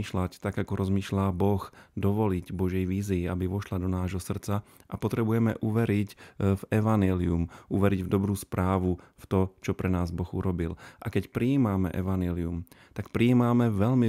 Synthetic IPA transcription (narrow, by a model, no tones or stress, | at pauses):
iːʃlact̪aɡakɔɾʔɔzmiːʃlaːbɔxd̪ɔʋɔliɟbɔʒɛjʋiːziːabiʋɔʃlad̪ɔnaːʒɦɔsr̩t͡saʔapɔt̪ɾɛbujɛmɛ̰ʔuʋɛɾicvɛʋaɲjɛliumuʋɛɾiɟvd̪ɔbɾuːspɾaːʋuft̪ɔt͡ʃɔpɾɛnaːzbɔɣṵɾɔbilʔakɛcpɾiiːmamɛ̰ʔɛʋaɲjɛliumt̪akpɾiiːmamɛʋɛlmi